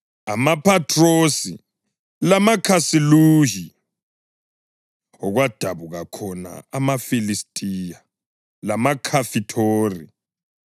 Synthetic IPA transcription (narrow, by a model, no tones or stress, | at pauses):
a̰mapʰatʰʼrosi | lamakʰasiluːɦi | ɔɣwad̥ʱaβuɣakʰɔna̰amafilistʼija | lamakʰafitʰoːrḭ